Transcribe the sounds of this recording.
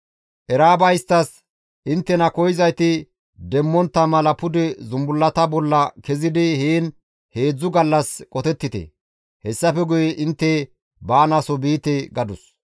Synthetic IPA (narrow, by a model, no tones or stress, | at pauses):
ʔɛɾaːbɐjɪst̪ːɐs | ʔɪnt̪ːɛnɐkɔjɪzɐjt̪ɪ | d̪ɛmːɔnt̪ːɐmɐlɐpʊd̪ɛzʊmbʊlːɐt̪ɐbɔlːɐkɛzɪd̪ɪheːn | he̞ːd͡zːʊɡɐlːɐskʼɔt̪ɛt̪ːɪt̪ɛ̰ | hɛsːɐfɛɡʊjɛʔɪnt̪ːɛ | baːnɐsɔbiːt̪ɛɡɐd̪ʊs